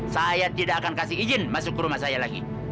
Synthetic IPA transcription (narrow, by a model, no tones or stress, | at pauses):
sajat̪idaʔakankasihid͡ʒɪnmasʊkːəɾumahsajalaɡḭ